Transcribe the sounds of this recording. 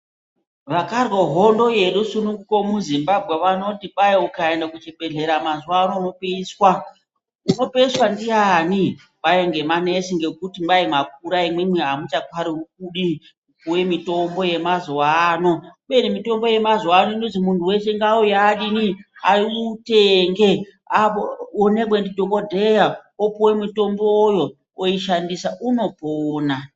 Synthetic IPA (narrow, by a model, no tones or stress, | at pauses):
ʋakarwoɦo̞ndo̞jeɗusunuŋɡukomuzimbabʱɣeʋanotiɓajeukaendakut͡ʃebeɮe̞ɾamazwanono̞peiswa | uno̞peiswandijani | pajeŋɡe̞mane̞siŋɡe̞kutimbaimak̚uɾaimwemiɦamut͡ʃakwaɾiuk̚uɗi | upuwe̞mito̞mbo̞je̞mazowaːno̞ɓe̞nimito̞mbo̞je̞mazowano̞inonzimuntʰuwe̞se̞ŋɡaujaɗiniaiuteŋɡe̞ | apoonekwendidʱokodʱejaopuwe̞mitomboːjo | oiʃandisaʔuno̞poːna